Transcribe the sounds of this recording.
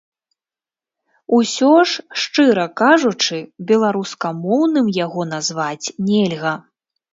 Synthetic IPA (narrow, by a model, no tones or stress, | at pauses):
usʲɔʂʂt͡ʂɨɾɐkaʐut͡ʂɨbʲɛlˠaɾuskɐmɔwnɨmjaɣɔnazvat͡sʲnʲelʲɣɐ